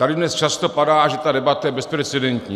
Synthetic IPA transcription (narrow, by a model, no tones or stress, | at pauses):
t̪adɪdnɛst͡ʃast̪o̞padaːʒɛt̪adɛbat̪ajɛbɛspɾɛt͡sɛdɛnt̪ɲiː